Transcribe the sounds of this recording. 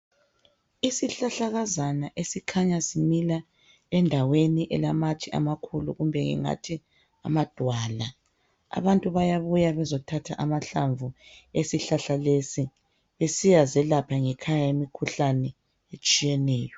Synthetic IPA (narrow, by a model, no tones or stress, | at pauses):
isiɬaɬaɣazanaʔesikʰaɲasimila | ɛndʱaweniʔɛlamat͡ʃʰʼia̰makʰulṵɣumbʱɛŋɛ̰ŋa̰tʰi | a̰mad̥ʱwaːla | a̰βantʼuβajaβujaβɛzɔtʰatʰa̰ʔamaɬaɱvuesiɬaɬalesi | βesijazɛlapʰaŋɛkʰajajemikʰuɬanɛ | et͡ʃʼijɛnɛːjɔ